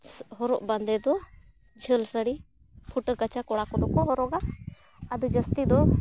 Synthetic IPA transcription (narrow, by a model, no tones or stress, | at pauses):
ɦɔɾɔ̰ʔband̪ɛd̪ɔ | d͡ʒʱəlsəɽi | pʰuʈəkat͡ʃakɔɽakɔd̪ɔkɔɦɔɾɔɡa | ad̪ud͡ʒəst̪id̪ɔ